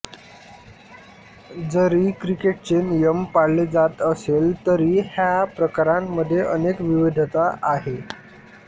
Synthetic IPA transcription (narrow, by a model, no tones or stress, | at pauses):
d͡zəɾiːkɾikeʈ̚t͡ɕenjəmpaɽled͡zat̪əselt̪əɾiːhjapɾəkaɾamːəd̪ʱːjeʔənekʋiʋid̪ʱət̪aʔaɦe